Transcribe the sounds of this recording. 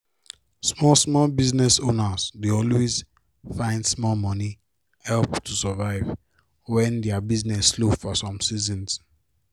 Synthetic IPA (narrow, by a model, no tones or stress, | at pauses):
smɔlsmɔlbiznɛsonazdeɔlwez | fãɪ̃ndsmɔlmɔni | hɛlptʰusəvaɪv | wɛ̃ndɛabiznɛslofɔsɔ̃msizɔ̃ns